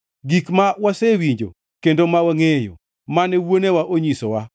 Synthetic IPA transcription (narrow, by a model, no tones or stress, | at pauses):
ɡikmawasewiɲd͡ʒo̰ | kendomawaŋejo̰ | manɛwonewaʔoɲisowa